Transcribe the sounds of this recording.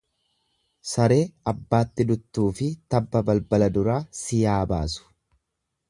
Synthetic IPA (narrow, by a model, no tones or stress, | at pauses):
sɐɾe̞ːɐbːaːt̪ːɪd̪ʊt̪ːuːfɪt̪ɐbːɐbɐlbɐlɐd̪ʊɾaːsɪjaːba̰ːsʊ̥